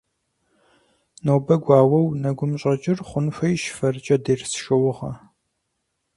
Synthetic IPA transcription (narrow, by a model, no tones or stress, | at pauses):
noːbɐɡʷɑːwɐwnɐɡʷʊmɕʼɐt͡ʃʼɪrχʷʊnfʷɐjʃfɐrt͡ʃʼɐdersʃɐwʊʁɐ̰